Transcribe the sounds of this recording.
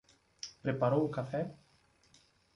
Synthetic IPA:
pɾepaɾowokafɛ

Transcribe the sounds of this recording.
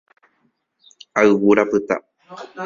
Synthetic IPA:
aɨwuɾapɨt̪a̰

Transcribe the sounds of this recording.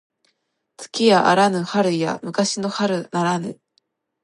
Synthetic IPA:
t͡sɨ̥kʲiaʔaɾanɯ̟haɾɯ̟ja̰mɯ̟kaɕino̞haɾɯ̟naɾanɯ̰

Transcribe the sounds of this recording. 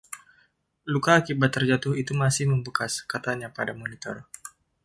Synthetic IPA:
lukaːkibat̪ːərd͡ʒat̪ʊhit̪umasɪhməmbəkaskat̪aɲapadamonit̪ɔ̰r

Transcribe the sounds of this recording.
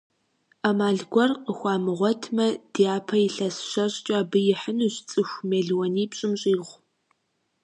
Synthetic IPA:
amaːɮɡʷɔrqəxʷɑːmɨʁʷɔtʰmɐd̥iːaːpʰɐɪɬɐsɕɐɕʼt͡ʃʼaːbɨjɪħənuːɕt͡sʼɨxʷmeːɮwɔniːpɕʼɪmɕʼiːʁʷ

